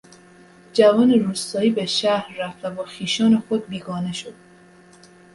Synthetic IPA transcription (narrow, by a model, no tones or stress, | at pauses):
d͡ʒævɒːneɾuːst̪ɒːiːbeʃæhɾːæft̪æbɒːxiːʃɒːnexod̪̚biːɡɒːneʃod̪̥̚